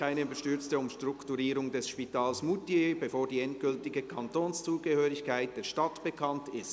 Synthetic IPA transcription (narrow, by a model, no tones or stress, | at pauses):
aɪnəbəʃtʏɐt͡stəʊmʃtr̥ʁʊktuɾiːɾʊŋdɛsʃpitʰaːlsmutebefoːʁdiːɛnt̚ɡ̥ʏltɪɡəkʰɑntoːnst͡suːɡ̥əhøːɾɪçkʰaɪt̚d̥eːɐʃtɑtb̥əkʰɑntɪst